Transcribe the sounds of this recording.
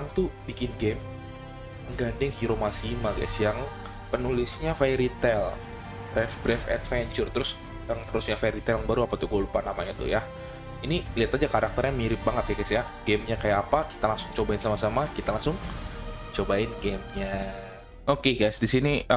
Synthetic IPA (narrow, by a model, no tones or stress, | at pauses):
aŋt̪ubikɪnɡɛm | əɡandɪŋhiɾomasimaɡa̰jsjaŋ | pənulɪsɲafajɾit̪ɛl | bɾɛfbɾɛfɛ̰t̪fɛɲt͡ʃʊrt̪əɾʊs | jaŋt̪əɾʊsɲafaɾit̪ɛljaŋbaɾuapat̪uɡolupanamaɲat̪ṵja | iniliat̪ad͡ʒakaɾak̚t̪ərɲamiɾɪp̚baŋət̪̚ɡaɡajsja | ɡ̥ɛmɲakajaːpaki̥t̪alaŋsʊŋt͡ʃobaɪnsamasamakit̪alaŋsʊŋ | t͡ʃobaɪnɡemɲa | okeɡajsdisini